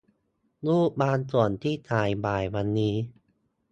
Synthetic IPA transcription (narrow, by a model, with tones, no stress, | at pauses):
luː˥˩k̚baː˧nsu˨˩ənt̪ʰiː˥˩t̪ʰaː˨˩jbaː˨˩jwa˧nːiː˦˥